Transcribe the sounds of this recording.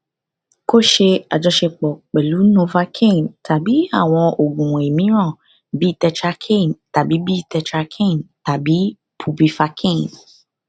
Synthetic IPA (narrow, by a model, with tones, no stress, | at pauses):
ko˦ʃe˧a˨d͡ʒɔ˧ʃe˧k͡pɔ˨k͡pɛ˨lu˨˦nõ˧va˧kʰẽ˦˨nta˨bi˨˦a˦˨w̃ɔ̃˧o˨ɡũ˨e˨mĩ˨˦ɾ̃ã˦˨ | bi˦˨tɛ˧t͡ʃa˧kʰẽ˦˨nta˨bi˨˦bi˦tɛ˧t͡ʃa˧kʰẽ˦˨nta˨bi˨˦ | pʰu˧bi˧fa˧kʰẽ˦˨n